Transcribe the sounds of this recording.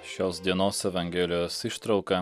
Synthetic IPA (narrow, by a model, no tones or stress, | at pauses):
ʃʲoːsd̪ʲiɛnoːsɛʋɐŋʲɡʲɛːlʲɪjoːsɪʃt̪ɾɐʊkɐ